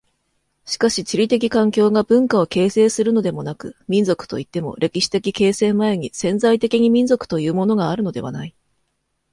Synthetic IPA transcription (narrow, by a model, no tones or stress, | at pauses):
ɕi̥kaɕit͡ɕiɾʲit̪e̞k̬ʲikãŋkʲo̞ːɡabɯ̟̃ŋkao̞ke̞ːse̞ːsɨɾɯ̟no̞d̪e̞mo̞nakɯ̟̰mʲĩnd͡zokɯ̥t̪o̞̰it̪ːe̞mo̞̰ɾʔe̞kʲiɕi̥t̪e̞kʲike̞ːsẽ̞mmae̞ɲ̟isẽ̞nzait̪e̞kʲiɲ̟imʲĩnzo̞kɯ̟̥t̪o̞jɯ̟ːmo̞no̞ɡaːɾɯ̟no̞d̪e̞βa̰nai